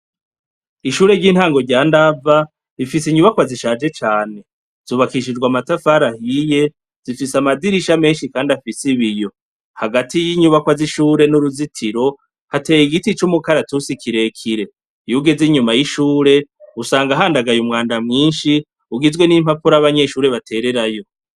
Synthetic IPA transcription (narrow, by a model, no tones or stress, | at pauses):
iʃuːɾe̞ɾɟiːnhaːŋɡo̞ɾɟaːndava | ɾifisiɲuβakwaziʃaːd͡ʒe̞t͡ʃaːne̞ | z̥uːβakiʃid͡ʒɡwamatafaɾahije | z̥ifisamadiɾiʃame̞ːnʃikaːndiafisiβijo̞ | haɡatijiɲuβakwaziʃuːɾe̞nuɾuzitʰiɾo̞ | hateːjiɡitit͡ʃumukaɾatusikʰiɾe̞kʰiɾe̞ | juɡe̞ziɲumajiʃuːɾe̞usaːŋɡaɦaːndaɡajumŋaːndamŋiːnʃi | uɡizɡwe̞nim̥hapuɾaβaɲe̞ʃuːɾe̞βatʰe̞ːɾe̞ɾajo̞